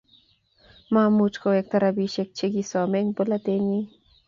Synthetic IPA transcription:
mamut͡ʃkoek̚t̪aɾabiʃek̚t͡ʃiɡisomeŋpolat̪eni

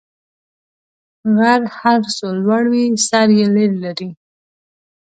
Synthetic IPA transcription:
ɣaɾhaɾsolwaɽwisaɾjeleɾlaɾi

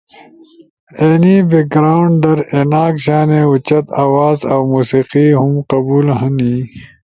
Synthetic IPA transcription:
eːnibek̚ɡɾaːuɳɖɖɐɾenaːkɕaːneːut͡ɕɐt̪aːwaːzaːwmuːsiːqiɦumqɐbuːlɦɐniː

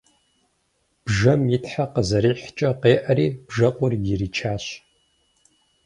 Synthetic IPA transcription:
b̥ʒɐmjɪtħaqəzɐɾiːħt͡ʃʼɐqeːʔɐɾiːb̥ʒɐqʷʼʊrjɪɾiːt͡ʃʰaːɕ

